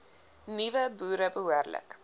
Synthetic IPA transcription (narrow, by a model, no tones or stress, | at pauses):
nivəbuːɾəbəɦuərlə̰k